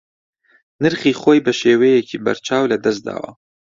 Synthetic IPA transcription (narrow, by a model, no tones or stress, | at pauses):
nɨɾχiːχoːjbɐʃeːweːjecʰiːbɐ̰ɾt͡ʃʰaːwlɐd̪ɐs̚d̪a̰ːwɐ̰